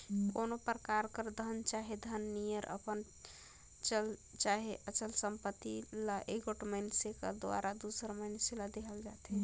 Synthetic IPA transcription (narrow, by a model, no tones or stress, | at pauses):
konopɾəkaɾkəɾd̪ʱənt͡ʃaɦed̪ʱənːijəɾʔə̰pən | t͡ʃəlt͡ʃaɦeʔət͡ʃəlsəmpət̪ːilaʔeɡoʈməɪnsekə̰d̪oa̰ɾad̪usəɾməjnselad̪ekʰəld͡ʒat̪ɦɛ